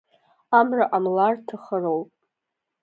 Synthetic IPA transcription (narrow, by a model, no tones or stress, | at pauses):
amraʔamlartʰaχərowpʼ